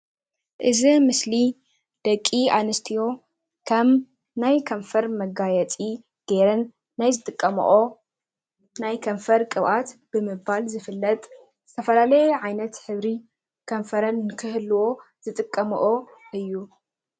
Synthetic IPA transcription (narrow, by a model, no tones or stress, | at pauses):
ʔɨzimɨsli | d̪̥ɐkʼːianɨst̪ʰijo̞ | kʰɐm | najkʰɐɱfɐɾmɐɡajɛt͡sʼi | ɡ̥eɾɐnː | ajzɨt̪ʼɨkʼːɐm̰ʔo | najkʰɐɱfɐɾkʼɨβʔat̪b̥ɨmɨbalzɨfɨlːɐt̪ʼ | z̥ɨt̪ʰɐfɐlalɐjʕajnɐt̪ħɨβɾi | kʰɐɱfɐɾɐnnkʰɨɦɨlːuwo̞ | z̥ɨt̪ʼɨkʼːɐm̰ʔoɨjːu